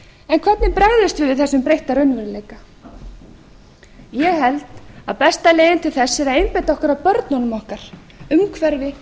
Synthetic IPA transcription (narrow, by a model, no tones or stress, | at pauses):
ɛnkʰv̥ɛt̪nɪpɾɛɣðɪst̪vɪvɪðθɛsːʏmpɾejht̪aɾœɥnvɪɾleːjka | jɛɣɦɛlt̪aðpɛst̪aleːjɪnt̪ʰɪlθɛsːɛɾaðejnpajt̪aɔhkaɾaðpœɾt̪nɔnʏmɔhkaɾ̥ | ʏmkʰvɛɾvɪ